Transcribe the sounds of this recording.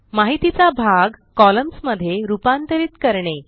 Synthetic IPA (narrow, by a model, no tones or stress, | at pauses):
maɦit̪it͡sabʱaɡkɔləmsməd̪ʱːjeɾupant̪əɾiːt̪kəɾɳe